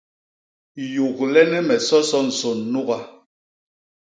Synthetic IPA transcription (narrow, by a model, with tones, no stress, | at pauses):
ju˨klɛ˦nɛ˦mɛ˨sɔ˦sɔ˦n̩˨so˨nːu˦ɣa˨